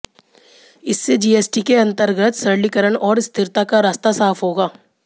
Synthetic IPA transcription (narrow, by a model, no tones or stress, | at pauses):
ɪsːed͡ʒiːeːsʈikeɐ̃nt̪əɾɡət̪sɐɾlikəɾəɳɔːɾst̪ɪɾt̪akaɾaːst̪asaːfʰɦoːɡaː